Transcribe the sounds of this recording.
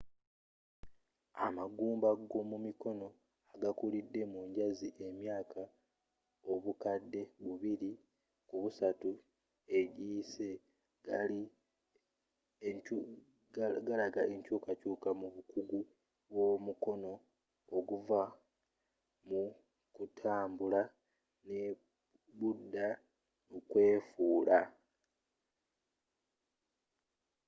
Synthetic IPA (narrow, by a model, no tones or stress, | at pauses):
amaɡuːmbaɡo̞mumiko̞no̞ | aɡakulidːe̞muɲɟaziʔe̞mjaːkʰa | o̞βukadːe̞βuβiɾi | kuβusatu | e̞ɟiːse̞ | ɡai | ɡalaɡaeɲcuːkacuːkamuβukuɡu | βwo̞muko̞no̞ː | ɡuva | mu | kutʰaːmbula | ne | βudːa | ukwe̞ːfuːla